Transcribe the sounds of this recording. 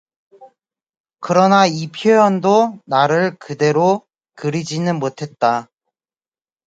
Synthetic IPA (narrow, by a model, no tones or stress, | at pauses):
kɯɾʌnaipʰjojʌndonaɾɯɭkɯde̞ɾo | kɯɾid͡ʑinɯnmotʰe̞t̚t͈a